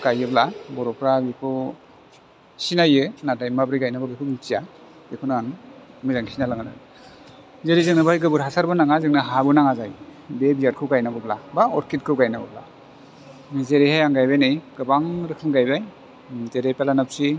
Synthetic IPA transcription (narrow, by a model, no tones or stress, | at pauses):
ɡajɯblabɔɾɔpʰɾabikʰɯ | sinajɯnadajmabɾiɡajnabaɡɯkʰɯnitijḁ | ekʰunaaŋmɯjzaŋsinalaŋana̰ | zeɾizɯŋnɯbajɡɯbɯɾɦasaɾbɯnaŋazɯŋnɯɦabɯnaŋazajbebijaɾ̚kʰɯwɡajnabɯblabaɔɾkit̚kʰɯɡajnabɔbla̰ | zeɾehajaŋɡajbajnɯjɡɯbaŋɾɯkʰɯmɡajbaj | teɾepelanap̚si